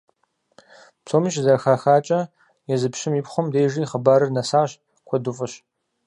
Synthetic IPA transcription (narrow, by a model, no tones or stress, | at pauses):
psʰoːmɨʃzɐxaːxaːt͡ʃʼɐ | jɛzɨpʰʃɪmipχʷɔmdejʒiːχəbaːɾɨrnɐsaːɕ | kʷʰɔdufʼɐɕ